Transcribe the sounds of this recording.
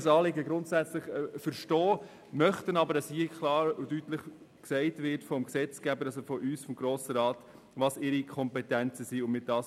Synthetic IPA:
sɑːlɪɡəɡɾʊntsæt͡sləχfəɾʃtɔː | mœχtənɑbəɾdɑshiːkʰlɑːɾudytləχ | ksɛɪtvɪɾtfɔmksɛt͡sɡ̥æbəɾɑsofɔʔyːsfɔmɡɾoːsəɾɑːt | ʋɑsɪɾikʰɔmpɛtɛnt͡səsiːʊnmɪt̚d̥ɑːs

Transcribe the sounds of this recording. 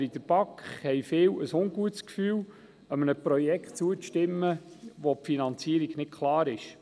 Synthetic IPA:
ɾid̥̪əɾb̥ɑkχhɛjfɪːwəsʊŋɡuətskfyːw | əmənəpɾɔjɛkχtt͡suətɪmːə | ʋopfinɑnt͡siəɾiɡnɪt̚kʰχlˠɑːɾɪʃ

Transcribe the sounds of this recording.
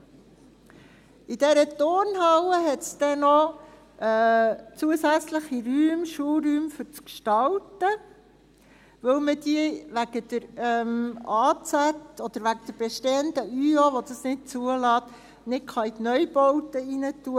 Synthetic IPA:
id̥ɛɾət̪ornɦɑwəɦɛtsd̥̪ɛnɔ | t͡suəsæt͡sləχiɾyːmʃuɾyːmfʏɾt͡skʃtɑltə | ʋɵwməd̥iəʋæɡ̥əd̥̪əɾɛmɑːt͡sætɔd̪̥əɾʋæɡəd̥̪əɾb̥ɛʃteːənd̥̪əyoʋɔd̥̪ɑsnɪt̚t͡suəlɑːt̪ | nɪtkχɑit̪nœjbɔwtəinətuə

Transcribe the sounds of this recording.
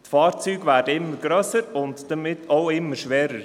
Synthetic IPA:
tfɑːɾt͡syːɡvæːɾd̥əɪmːəɾɡɾœsəɾʊntd̥əmɪtʰːoʊɪmːəɾʃʋɛːɾəɾ

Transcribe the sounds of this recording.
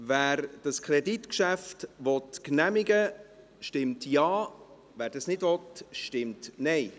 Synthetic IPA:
væːɾd̥ɑskʰɾɛditkʃæftʋɔtknæmɪɡə | ʃtɪmtjɑː | væːɾdɑsnɪdvɔtʃtɪmtnɛɪ

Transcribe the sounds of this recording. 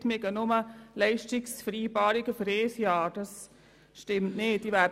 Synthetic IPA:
tmɪɡənoməlɛɪʃtɪksfɾiːbɑːɾiɡəfɾeːsjɑːɾd̥ɑs | ʃtɪmtneːtːiʋæ

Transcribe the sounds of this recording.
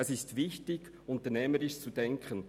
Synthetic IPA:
ɛsɪstvɪçtɪɡ̥ | ʊntənɛːməɾɪʃt͡sudɛŋkʰən

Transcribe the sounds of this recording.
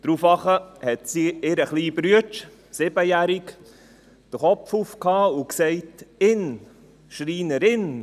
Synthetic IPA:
d̥ɾufɑχəhɛtsiːɪɾəχliːbɾyət͡ʃ | sɪb̥əjæɾɪk | d̥əχɔpfufkhɑːuksɛɪtɪn | ʃɾiːnəɾɪn

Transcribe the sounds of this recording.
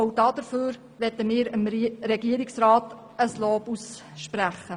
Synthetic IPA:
owd̥ɑd̥̪əɾføːɾ | ʋɛtəmɪːɾəmɾɛɡiəɾɪksrɑːt | əsloːbusʃpɾæχːə

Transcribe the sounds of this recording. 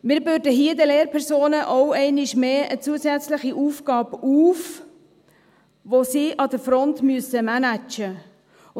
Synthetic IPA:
mɪːɾvøɾdəɦiəd̪əleːɾpʰɛɾsoːnəʔɔwɛɪnɪʃmeːʔət͡suəsæt͡sləχiʔuːfɡ̥ɑːbuːf | ʋosiʔɑd̪əfɾɔntmyəsəmænæt͡ʃə

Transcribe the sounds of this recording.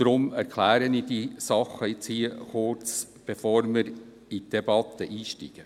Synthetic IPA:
d̥ɾʊmæɾkʰlæːɾənidisɑχːəɪt͡shiəχʊɾt͡s | b̥efoːɾmɪɾ | it̚d̥eb̥ɑt̪ːəʔiːʃtḭɡ̥ə

